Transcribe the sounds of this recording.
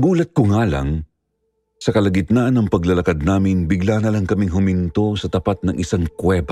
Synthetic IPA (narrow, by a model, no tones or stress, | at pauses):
ɡuːlɐt̪̚kʊŋaːlɐ̰ŋ | sɐkɐlɐɡɪt̪nanɐŋpɐɡlɐlɐkad̪̚naːmɪnbɪɡlanɐlɐŋkɐmiŋɦʊmɪnt̪o̞sɐt̪ɐpat̪̚nɐŋʔɪsaŋkwɛba